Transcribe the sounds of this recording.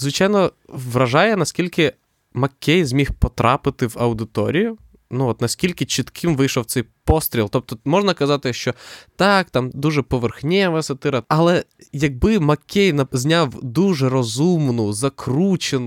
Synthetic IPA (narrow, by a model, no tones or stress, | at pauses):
zʋɪt͡ʃɑjnɔʋɾɐʒɑjɛnɐsʲkʲilʲkɪ | mɐkʲːɛjzʲmʲixpɔt̪ɾɑpɪt̪ɪwɐwd̪ɪt̪ɔ̰ɾʲijʊ | nuɔt̪nɐsʲkʲilʲkɪt͡ʃɪt̪kʰɪmʋɪjʃɔwt̪sɛjpɔst̪ɾʲilˠt̪ɔp̚t̪ɔmɔʒnɐkɐzɑt̪ɪʃt͡ʃɔt̪ɑkt̪ɑmd̪uʒɛpɔʋerxnʲɛʋɛsʲɐt̪ɪɾɐɐlˠɛjɐɡ̚bɪmɐkʲʰːɛjnɐzʲnʲawd̪uʒɛrɔzumnʊzɐkɾut͡ʃenʊ